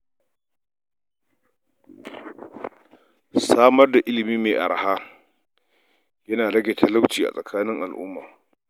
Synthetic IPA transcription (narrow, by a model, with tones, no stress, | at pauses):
saː˦mɐ˦rda˨ʔɪ˦lɪ˨miː˦meː˨ʔa̰˨ɾa˨ha˦ | jɐ˦naː˨lɐ˦ɡʲe˨tʰa˦la˦wt͡ʃiː˨ʔa̰˨sʼɐ˨kʰaː˦nɪ˦ŋʔa˨lʔʊ̰˦mːa̰ː˨